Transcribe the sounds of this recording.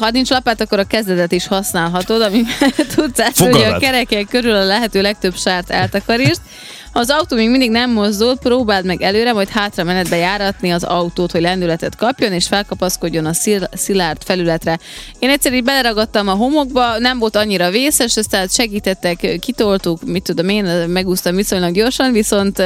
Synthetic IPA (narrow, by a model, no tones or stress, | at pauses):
hɒnint͡ʃlɒpaːt̪ɒkːoɾɒkɛzd̪ɛt̪ɛt̪iʃhɒsnaːlɦɒt̪o̞d̪ɒmivɛt̪ut̪saːʃoɒkɛɾɛkɛkøɾylɒlɛɦɛt̪øːlɛk̚t̪ø̞bʃaːrt̪ɛ̰lt̪ɒkɒɾiːrt̪̚ | hɒːzɒwt̪oːmeːɡmind̪iɡnɛmːo̞zd̪ut̪̚proːbaːlt̪mɛɡɛløːɾɛmɒjt̪haːt̪rɒmɛnɛd̪̚bɛjaːɾɒt̪niɒzɒ̰wt̪oːt̪ho̞ɟlɛnd̪ylɛt̪ɛt̪kɒpjo̞neːʃfɛlkɒpɒsko̞ɟːo̞nɒssilart̪fɛlylɛt̪rɛ | eːnɛcʲsːɛɾiːdbɛlɛɾɒɡɒt̪ːɒmɒɦo̞mo̞ɡ̚bɒnɛɱvo̞lt̪ɒɲːiɾɒveːsɛʃɒst̪ɛt̪ʃɛɡiːt̪ɛt̪ːɛkkːit̪olt̪ukmit̪ːud̪omeːnmɛɡuːst̪ɒmviso̞ɲlɒɡɟo̞rʃɒnviso̞nt̪